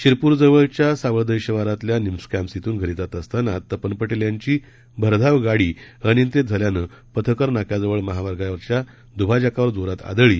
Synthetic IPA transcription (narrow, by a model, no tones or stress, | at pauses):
ɕiɾpuːɾd͡zəʋəɭt͡ɕjasaʋəɭd̪əjɕəʋaɾat̪ljanimskæmsit̪uːnɡʱəɾit̪at̪əst̪anat̪ːəpənpəʈiljaɲt͡ɕiː | bʱəɾd̪ʱaʋɡaɽiːənjint̪ed͡zʱəljanə | pət̪ʰəkəɾnakjad͡zəʋəɭməɦaʋaɾɡajʋəɾt͡ɕja | d̪ubʱad͡ʑakaʋəɾd͡zoɾat̪a̰d̪əɭiː